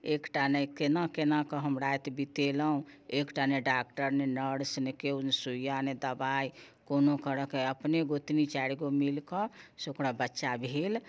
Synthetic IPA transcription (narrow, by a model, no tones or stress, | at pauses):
ekʈanəjkenakenakəɦəmɾajt̪bit̪eləɦũekʈaneɖak̚ʈəɾnenəɽsnekeunsujaned̪əbaj | konokəɾəkeəpneɡot̪nit͡ʃaɽiɡomilkɔsokɽabətːʃabʱel